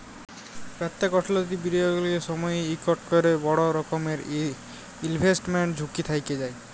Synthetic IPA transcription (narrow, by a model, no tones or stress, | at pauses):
pɾat̪ːakɔʈʰlot̪ibiɖioɡulieʃɔmɔjejikoʈkoɾebɔɽoɾɔkomeɾ | ilbʱesʈmeɳd͡ʑʱukit̪ʰajked͡ʑaj